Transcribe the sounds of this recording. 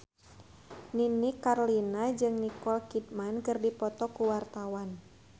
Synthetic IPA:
ninikarlinad͡ʒɨŋnikɔlkit̪̚mankɨrdipɔt̪ɔkuwart̪awan

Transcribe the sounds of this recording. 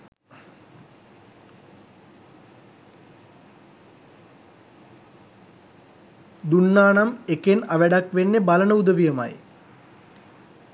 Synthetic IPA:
d̪unːaːnamekenaʋæɖakʋenːebalɐɳəud̪ɐʋijɐma̰j

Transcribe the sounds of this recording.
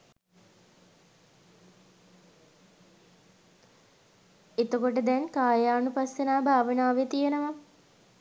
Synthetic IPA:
et̪əkoʈ̬əd̪ɛnkaːjaːnupasenaːbʱaːʋənaːʋet̪ijenəʋa

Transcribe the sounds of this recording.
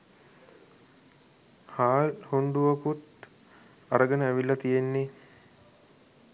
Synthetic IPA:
haːlhuɳɖuʋakut̪̚ | aɾəɡənəæʋilːɐt̪ijenːe

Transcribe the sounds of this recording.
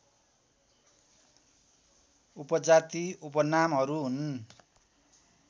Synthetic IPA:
upʌd͡zat̪iupʌnamɦʌɾuɦun

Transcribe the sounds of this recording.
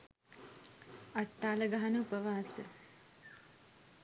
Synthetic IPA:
aʈːaːləɡaɦanəupəʋaːsə̰

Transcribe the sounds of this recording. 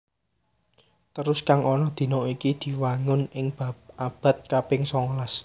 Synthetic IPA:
t̪əɾʊskaŋɔnɔd̪̥i̤nɔikid̪̥i̤waŋʊnɪŋb̥a̤p̚ʔab̥ä̤t̪̚kapɪŋsɔŋlas

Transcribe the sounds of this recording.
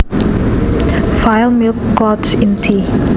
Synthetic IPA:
faɪlˠmɪlˠkɡɔtsɪ̃ntʰi

